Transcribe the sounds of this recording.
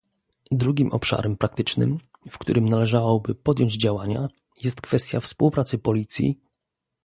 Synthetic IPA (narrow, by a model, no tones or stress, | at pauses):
d̪ɾuɡʲimʔɔ̰pʂa̰ɾɛmpɾak̚t̪ɘt͡ʂnɘ̰m | fkt̪uɾɘmnalɛʐawɔbɘpɔd̪ʲjɔɲd͡ʑd͡ʑawaɲa̰ | jɛst̪kfɛst̪ʲjafspuwpɾat̪sɘpɔlʲit̪sʲjḭ